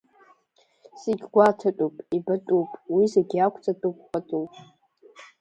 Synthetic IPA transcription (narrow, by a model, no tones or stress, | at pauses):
siɡʲɡʷatʰatʼupʼibatʼupʼwizeɡʲiakʷʰʼt͡sʼatʼup̚ʷʼχʷatʼupʼ